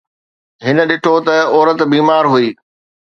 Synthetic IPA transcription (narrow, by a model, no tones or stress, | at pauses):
ɦɪnə̆ɗɪʈʰot̪ɐɔːɾət̪biːmaːɾɦuiː